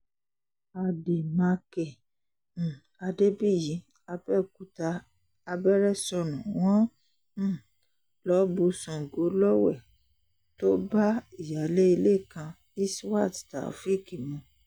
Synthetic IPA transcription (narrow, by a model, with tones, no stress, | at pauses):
a˨de˨mã˨˦kɛ̃˨ | a˧de˦bi˦˨jĩ˨˦ | a˧bɛ˦˨ku˧˦taː˧ | bɛ˦ɾɛ˦˨sɔ˧nũ˨w̃ɔ̃˦˨ | lɔ˨˦bu˧sɔ̃˨ɡo˨˦lɔ˦wɛ̰˦˨ | to˦ba˦i˨ja˨le˦i˧le˦˨kã˧ | i˦swa˦˨tta̰˨fi˦˨ki˨mũ˨˧˦